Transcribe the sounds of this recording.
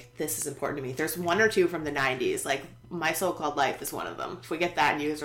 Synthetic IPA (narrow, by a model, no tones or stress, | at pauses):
ðɪsɨzɨ̃mpʰɔ̰ɹʔn̩tʰɨmiðə˞zwʌ̃nə˞tʰʉfɹʌ̃mðɨnãɪ̃ntḭz̥laɪk | maɪsoʊlˠkʰɔlˠdˡlaɪfɨzwʌ̰̃nʌ̰vðə̰̃mɪfwiɡɛt̪̚ðɨtn̩jʉzə